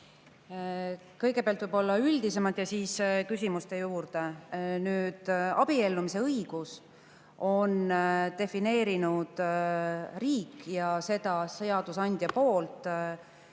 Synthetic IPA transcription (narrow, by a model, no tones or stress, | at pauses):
kɤjɡepeɑlt̪vɯjb̥o̞lːɑyld̪ise̞mɑt̪jɑsiːskysʲimust̪e̞juːrd̪e̞nyːd̪̥ɑb̥ie̞lːumise̞ɤiɡ̥us | o̞nt̪e̞fine̞ːɾinud̪̥ | riːkːjɑse̞d̪̥ɑse̞ɑd̪̥usɑnʲd̪̥ʲjɑpo̞ːlt̪ˑ